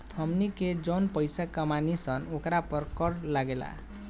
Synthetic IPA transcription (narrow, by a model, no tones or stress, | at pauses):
t̪ʰʌmniked͡ʒonpʌjsakʌmanisʌnokɾapʌɾkʌɾlaɡela̰